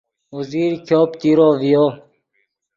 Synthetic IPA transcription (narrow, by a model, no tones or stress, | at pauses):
uziːɾkʰoːpt̪iɾoːvijoː